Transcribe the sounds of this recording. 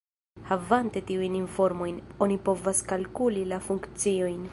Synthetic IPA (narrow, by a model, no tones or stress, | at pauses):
havante̞tiujninfo̞ɾmo̞jno̞nipo̞vaskalkulilafuŋkt͡sio̞jn